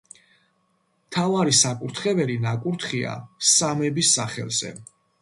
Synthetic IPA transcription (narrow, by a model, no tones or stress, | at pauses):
mt̪ʰavaɾisakʼuɾt̪ʰχɛvɛlinakʼuɾt̪ʰχia̰samɛbisːaχɛ̰lz̥ɛ̰